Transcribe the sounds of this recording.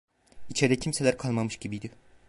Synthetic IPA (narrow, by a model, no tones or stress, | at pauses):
it͡ʃʰɛɾd̪ɛcʰimselʲæɾkʰalˠmamɯʃɟibijd̪ɪ